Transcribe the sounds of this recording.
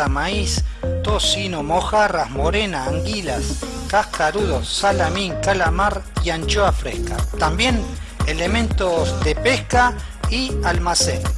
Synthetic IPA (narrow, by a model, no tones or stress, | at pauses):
amaist̪osinomoxarasmoɾenaːŋɡilas | kaskaɾuðoːalamĩŋkalamaɾjant͡ʃoafɾḛska̰t̪ambjen | elemẽnt̪osd̪epeska | ialmasen